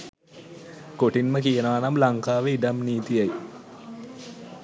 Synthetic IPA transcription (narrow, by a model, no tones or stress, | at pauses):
koʈinməkijənəʋanamlaŋkaːʋeiɖamniːt̪ijaj